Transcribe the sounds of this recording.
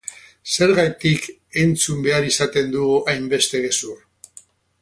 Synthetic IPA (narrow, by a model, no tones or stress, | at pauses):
se̞ɾɣajt̪ik | e̞nt͡sumbe̞aɾisat̪e̞nd̪uajmbe̞st̪e̞ɣesur